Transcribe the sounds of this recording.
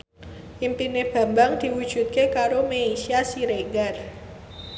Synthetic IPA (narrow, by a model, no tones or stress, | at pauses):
ʔimpineb̥a̤mbaŋd̪̥i̤wud̥ʒ̥ṳt̪̚kekaɾomeesiasiɾeɡar